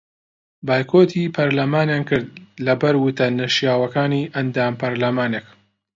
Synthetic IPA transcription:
baːjkʰoːt̪ʰiːpʰɐɾlɐmaːnjaːnkɨɾd̪̚lɐbɐɾwʊt̪ɐnɐʃjaːwɐkaːniːʔɐnd̪aːmpɐɾlɐmaːnek

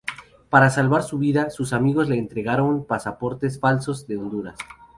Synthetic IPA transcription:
paɾasalβaɾsuβiðasusamiɣo̞zle̞ːnt̪ɾe̞ɣaɾo̞npasapo̞ɾt̪esfalso̞zd̪eond̪uɾa̰s

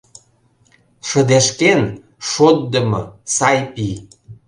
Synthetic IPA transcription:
ʃə̆d̪eʃken | ʃot̪̚d̪ə̆mɤsɑjpi

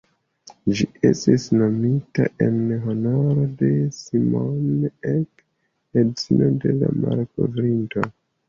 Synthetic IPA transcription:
d͡ʒiʔe̞stisno̞mitaʔe̞nɦo̞no̞ɾo̞de̞simonek | edit͡sino̞de̞lamalko̞̰vɾinto̞

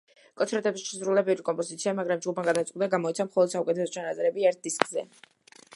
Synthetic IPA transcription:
kʼɔt̪sʰɾɛt̪ʼɛbisʃsɾulɛbɛɾikʼɔmpʼɔzit̪sʰiamaɡɾamd͡ʒɡupmaɡad̪at̪sqʼwd̪aɡamɔit̪sʰamχɔlˠɔd̪saukʼɛt̪ʰɛsɔt͡ʃʰanat̪sʼɛɾɛbiɛɾt̪̚d̪iskʼzɛ

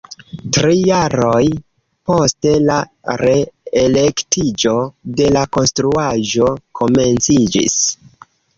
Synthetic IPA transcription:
tɾijaɾo̞j | po̞ste̞la | ɾe̞ele̞ktid͡ʒo̞de̞lako̞nstɾuaʒo̞kʰo̞me̞nt͡sid͡ʒḭs

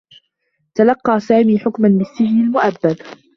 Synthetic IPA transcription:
t̪alɑqːɑːsaːmiːħʊkmanbɪsːɪd͡ʒnalmʊʔabːad̪

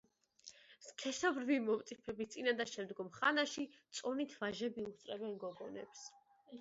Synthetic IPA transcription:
skʰɛsɔbɾvimɔmt̪sʼipʰɛbist̪sʼinad̪aʃɛmd̪ɡɔmχanaʃit̪sʼɔnit̪ʰvaʒɛbiust̪ʼɾɛbɛnɡɔɡɔnɛ̰ps

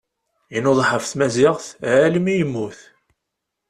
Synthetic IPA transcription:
inoðˤħəfθmæzɪʁθʕæləmijəmːuθ

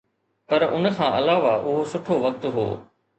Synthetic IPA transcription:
pɐɾʊ̰nkʰãːʔɐlaːʋaʔʊɦosʊʈʰoʋɐk̚t̪ɦo̰ː

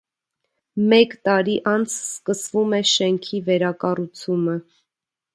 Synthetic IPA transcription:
mɛkt̪ɑɾiʔɑnt͡sʰskəsvumɛʃɛŋkʰivɛɾɑkɑrut͡sʰumə

